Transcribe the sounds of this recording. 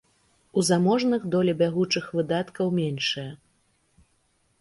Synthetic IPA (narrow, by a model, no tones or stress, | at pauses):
uzamɔʐnɨɣd̪ɔlʲɛbʲaɣut͡ʂɨxvɨd̪at̪kɐwmʲenʂɨjɐ